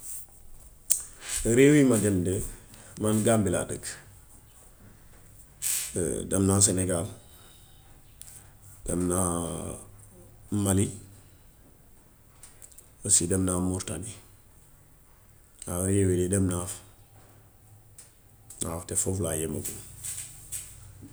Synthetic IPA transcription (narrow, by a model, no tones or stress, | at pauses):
ɾewimaɡendemanɡaːmbila̰də̰k | dɐmnas̬eneɡal | d̥ɐmna | mali | osidɐmnamuɾtani | aɾeːwiledɐmnaf | na̰ftefoflajemə̰ɡu